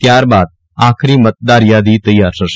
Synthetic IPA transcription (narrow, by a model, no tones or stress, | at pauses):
t̪jaːɾbaːd̪̚ | aːkʰɾiːmət̪̚d̪aːɾɪjad̪iːt̪ɐjːaːɾsəɾʃ